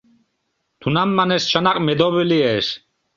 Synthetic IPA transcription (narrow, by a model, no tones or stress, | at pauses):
t̪ʰunamːanɛst͡ʃʰanaqʼmɛd̪ɔβiliɛʃ